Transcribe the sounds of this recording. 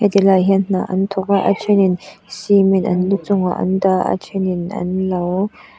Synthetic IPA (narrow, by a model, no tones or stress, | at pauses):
hɛdilajɦiənn̥a̰ːʔɐnt̪ʰʊk̚aʔa̰t͡ʃʰeninsiminʔɐ̰nlut͡sʊŋa̰ʔɐ̰ndaːʔa̰t͡ʃʰeninɐ̰nlɐw